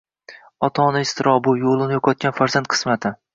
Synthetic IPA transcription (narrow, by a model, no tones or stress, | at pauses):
ɒt̪ʰɒnɪɪst̪ʰɪɾʔɒbʊjolˠɪnɪjɒqʰɒt̪̚kʲanfaɾzant̪̚qʰɨ̥smat̪ʰɪ